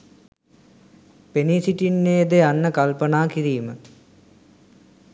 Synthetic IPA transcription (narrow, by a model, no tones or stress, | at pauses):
penisiʈinːejəd̪eanːəkalpənaːkiɾiːmə